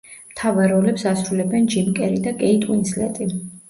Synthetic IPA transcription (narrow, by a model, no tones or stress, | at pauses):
mt̪ʰavaɾɔlɛpsasɾulɛbɛnd͡ʒimkʼɛɾid̪akʼɛit̪ʼuinslɛ̰t̪ʼi